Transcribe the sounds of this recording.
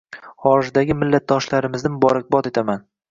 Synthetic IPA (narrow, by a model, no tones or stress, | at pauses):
χɒɾɪzd̪aɡʲɪmɪlːat̪̚d̪ɒʃlaɾɪmɪznɪmbɒɾɪq̚bɒt̪e̞t̪ʰaman